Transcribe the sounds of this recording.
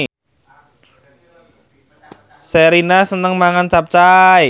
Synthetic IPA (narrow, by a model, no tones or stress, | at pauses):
seɾinasənəŋmaŋant͡ʃap̚t͡ʃaj